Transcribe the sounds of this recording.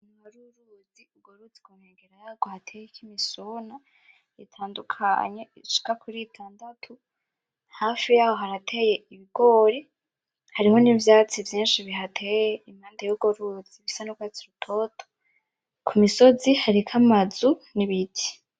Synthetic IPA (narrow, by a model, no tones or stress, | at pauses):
imoɾuɾuziuɡoɾut͡siɡuneːɡeɾaɡ̥ohatʰejekimisuna | itʰaːndukʰa̰ɲe̞iʃi̥kakʰuɾitʰaːndatʰu | haːfijaːho̞ɦaɾatʰe̞je̞iβiɡ̥o̞ːɾe | haɾiho̞nivjaːt͡sivjiːnʃiβiɦatʰejeimhaːndajuɡoɾuz̥iβisanukwat͡siɾutʰo̞ːtʰo̥ | kʰumiso̞zihaɾikʰamazuniβiti̥